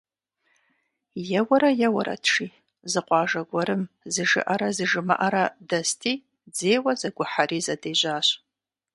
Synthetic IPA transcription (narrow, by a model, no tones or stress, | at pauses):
jawaɾajawaɾa̰dʰʂi | zɨqʷʼɑːʐaɡʷaɾɨm | zɨʒɨ̰ʔaɾazɨʐɨma̰ʔaɾadastʰi | d͡zejwazaɡʷʊħaɾizadeʒʷaɕʷ